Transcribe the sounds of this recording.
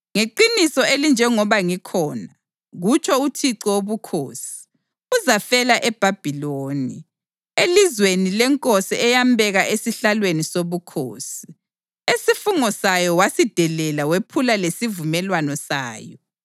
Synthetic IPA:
ŋeǃinisɔelind͡ʒʱɛŋɔβaŋikʰɔːna | ɣut͡ʃʰɔutʰiǀɔwoβukʰo̰ːsi̥ | uzafɛlaʔɛb̥ʱab̥ʱiloːni | elizwenilɛŋkʼosiɛjambʱɛɣaʔesiɬalwenisoβukʰo̰ːsi̥ | esifuŋɔsajɔwasid̥ʱɛlɛlawepʰulalesivumɛlwanɔsa̰ːjɔ

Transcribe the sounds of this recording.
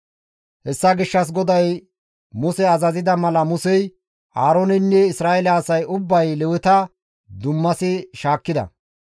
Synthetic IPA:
hɛsːɐɡɪʃːɐs̬ɡɔd̪ɐj | mʊsɛɐzɐzɪd̪ɐmɐlɐmʊsɛj | ʔaːɾonɪnːɛɪsɾaːɛlɐːsɐjʊbːɐjlɛwɪt̪ɐ | d̪ʊmːɐsɪʃaːkːɪd̪ɐ̰

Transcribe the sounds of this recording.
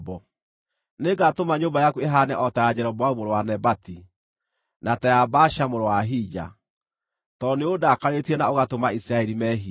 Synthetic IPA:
bɔ | neɡatomaɲoːmbajakueɦanɛʔɔtajad͡ʑɛɾɔbwaumoɾowanɛbati | natɛabaʃamoɾowaɦid͡ʒa̰ | tɔneodaːkaɾetiɛnaoɣatomaisiɾaɛɾimɛɦi

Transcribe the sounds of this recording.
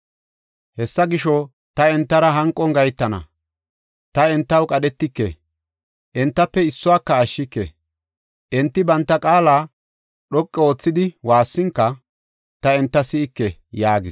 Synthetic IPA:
hɛsːɐɡɪʃɔ | t̪ɐɛnt̪ːɐɾɐɦɐŋkʼːɔŋɡɐjt̪ːɐnɐ̰ | t̪ɐɛnt̪ːɐwkʼɐɗɛt̪ːɪkːḛ | ʔɛnt̪ːɐpːɛɪsːʊwaːkːɐːʃːɪkːḛ | ʔɛnt̪ːɪbɐnt̪ːɐkʼaːlaː | ɗɔkʼːɛo̞ːt͡sːɪd̪ɪwaːsːɪŋkːɐ | t̪ɐɛnt̪ːɐsɪɪkːɛjaːɡɪs

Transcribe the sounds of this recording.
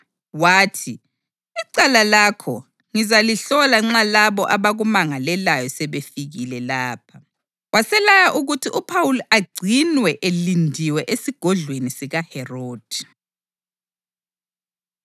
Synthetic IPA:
waːtʰi | iǀalalakʰɔ̰ | ŋizaliɬɔlaŋ͡ǁalaβɔʔaβaɣumaŋalɛlajɔsɛβefiɣilɛlaːpʰa | wasɛlajaʔuɣutʰiʔupʰawuliʔaɡ͡ǀʱinwɛʔelindʱiwɛʔesiɡ̥ʱɔɮwenisiɣahɛroːd̥ʱi

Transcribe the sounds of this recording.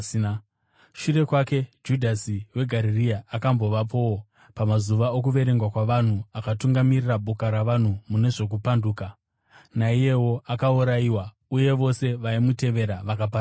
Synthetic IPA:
ʃuɾe̞kwake̞d͡ʒudʱasiwe̞ɡʱaɾiriaːkambo̞ʋapo̞wo | pamazuʋaokuʋe̞ɾeŋɡwakwaʋan̤uakatuŋɡamirirabʱokaɾaʋan̤umune̞ʐo̞k̬upanduːka | naije̞wo̞akauɾaiwa | uje̞ʋo̞se̞ʋaimute̞ʋe̞ɾaʋakap̬a

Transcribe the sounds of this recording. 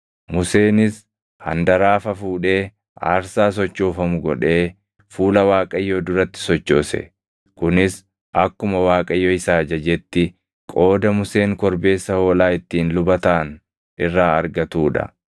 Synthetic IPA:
mʊse̞ːnɪs | hɐ̰nd̪ɐɾaːfɐfuːᶑe̞ː | ʔa̰ːɾsaːs̬ɔt͡ʃːoːfɐmʊɡɔᶑe̞ː | fuːlɐwaːkʼɐjːoːd̪ʊɾɐt̪ːɪ̥sɔt͡ʃːo̞ːsɛ̰ | kʊnɪs | ʔɐkːʊmɐwaːkʼɐjːoɪsaːd͡ʒɐd͡ʒɛt̪ːɪ | kʼo̞ːd̪ɐmʊse̞ːŋkɔɾbe̞ːsːɐho̞ːlaːɪt̪ːiːnlʊbɐt̪an | ɪrːaːɐɾɡɐt̪uːᶑɐ̰

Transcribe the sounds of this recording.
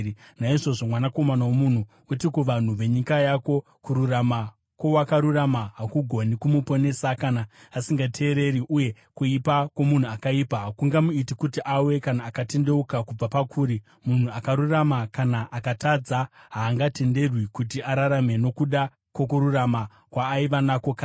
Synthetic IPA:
naiʐo̞ʐo̞mwanako̞manawomun̤u | utikuʋan̤uʋe̞ɲikajako̞ | kuɾurama | ko̞wakaɾuramaɦakuɡʱo̞nikumupo̞ne̞sakanaːsiŋɡatʰe̞ːɾe̞ɾiʔuje̞ | kuipakwo̞mun̤uakaipaɦakuŋɡamuitikutiʔawe̞kanaːkate̞nde̞ukakub͡vapakʰuːɾi | mun̤uakaɾuramakanaʔakatad͡zaɦaːŋɡate̞nde̞rwikut̬iaɾaɾame̞no̞kuɗa | kwo̞kuɾurama | kwaːiʋanako̞kaː

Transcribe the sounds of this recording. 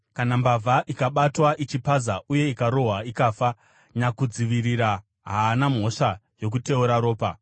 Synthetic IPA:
kanambavʱaʔikaɓatwaʔit͡ʃipazaʔuje̞ikaɾo̞ɦwaikaːfa | ɲakud͡ziʋiriɾa | ɦaːnam̤o̞ʂajo̞k̬ute̞uɾaɾo̞ːpa

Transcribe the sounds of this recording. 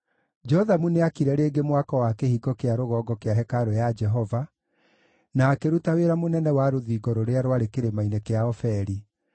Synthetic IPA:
d͡ʒɛɔðamuneakiɾɛɾeːɡemwakɔwakehiɡɔkeaɾoɣɔɡɔkeaɦɛkaɾojad͡ʒɛɦɔva | naːkeɾutaweɾamonɛnɛwaɾoðiːɡɔɾoɾeaɾowaɾekeɾemainekeaɔfɛɾi

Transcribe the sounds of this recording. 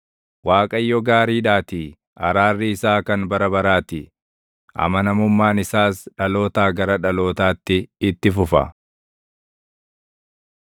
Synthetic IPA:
waːkʼɐjːɔɡaːɾiːᶑaːt̪i | ɐ̰ɾaːrːɪɪsaːkɐnbɐɾɐbɐɾaːt̪ɪ | ʔɐ̰mɐnɐmʊmːaːnɪsaːsᶑɐlo̞ːt̪aːɡɐɾɐᶑɐlo̞ːt̪aːt̪ːɪɪt̪ːɪfʊfɐ̰

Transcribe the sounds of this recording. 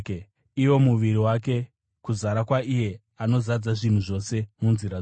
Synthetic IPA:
iwo̞muʋiriwak̬e̞ | kuzaɾakwaʔije̞ | ano̞zad͡zaʐin̤uʐo̞se̞munziɾa

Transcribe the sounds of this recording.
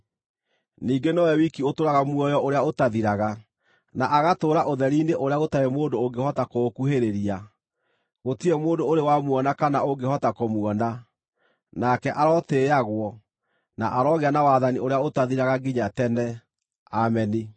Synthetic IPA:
niːɡenɔwɛwikiotoɾaɣamwɔjɔʔoɾeaotaðiɾaɣa | naʔaɣatoɾaʔoðɛɾineʔoɾeaɣotaemoːndooŋɡehɔtakokuheɾeɾia | ɣotiɛmoːndoːɾewamwɔnakanaoɡehɔtakomwɔna | nakɛʔaɾɔteaɣwɔ | na̰ʔaɾɔɣeanawaːðanioɾeaotaðiɾaɣaɡiɲatɛnɛ | amɛni

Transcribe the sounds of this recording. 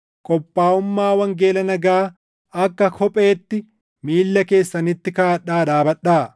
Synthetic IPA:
kʼɔpʼːaːʊmːaːwɐŋɡe̞ːlɐnɐɡaː | ɐkːɐkʰɔpʼe̞ːt̪ːɪ | miːlːɐke̞ːsːɐnɪt̪ːɪkaːɐᶑːaːd̪aːbɐᶑaː

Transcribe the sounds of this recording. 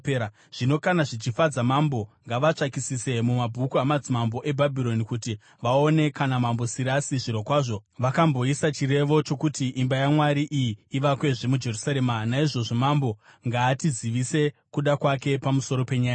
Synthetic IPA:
ea | ʐ̥ino̞kanaʐit͡ʃifad͡zamambo̞ŋɡaʋat͡ʂakisise̞mumabʱukuamad͡zimambo̞ʔe̞bʱabʱiɾo̞nikuti | ʋaone̞kanamambo̞siɾasiʐiɾo̞kwaːʐo̞ʋakambo̞isat͡ʃiɾe̞ʋo̞t͡ʃo̞kutiʔːmbajamwaɾiʔijiːʋakwe̞ʐemud͡ʒe̞rusaɾemanaiʐo̞ʐo̞mambo̞ŋɡaːtiziʋise̞kuɗakwake̞pamuso̞ɾo̞pe̞ɲaːjaa

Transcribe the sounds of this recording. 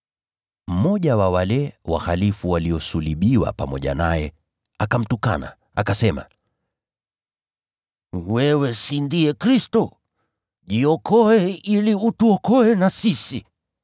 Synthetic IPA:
m̩mɔʄawawalɛwa̰halifuwaliɔsuliɓiwa̰pamɔʄa̰najɛ | akam̩tuka̰na̰ | akasɛma̰ | wɛwɛsindiɛkɾistɔ | ʄiɔkʰɔɛiliutuɔkɔɛnasisi

